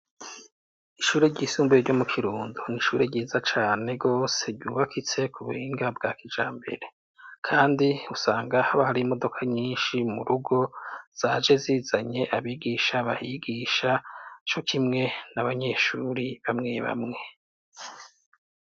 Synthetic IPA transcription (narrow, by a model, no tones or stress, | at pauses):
iʃuːɾeɾɟiːsuːmbueɾɟo̞mukʰiɾuːnduniʃuːɾeɾɟiːzat͡ʃaːne̞ɡo̞ːse̞ɾɟuːβakʰit͡se̞kuβuhiːŋɡabɡaːkid͡ʒaːmbe̞̰ɾe̞ | kʰaːndiusaːŋɡahaβahaɾiːmo̞do̞kʰaɲiːnʃimuɾuɡo̞z̥aːd͡ʒe̞ziːzaɲe̞ʔaβiɡiʃaβahiɡiʃat͡ʃo̞kʰimŋe̞naβaɲe̞ːʃuːɾiβamŋe̞βa̰mŋe̞